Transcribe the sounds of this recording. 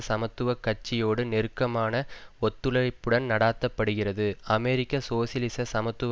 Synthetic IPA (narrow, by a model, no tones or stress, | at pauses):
sɐmɐt̪ːɯʋɐkːɐʈt͡ʃːɪjoːɽɯnɛɾɯkːɐmaːnɐɔt̪ːɯɭɐɪpːɯɽɐnnɐɽaːt̪ːɐpːɐɽɯɣɪrɐðɯɐmeːɾɪkːɐsoːsɪlɪsɐsɐmɐt̪ːɯʋ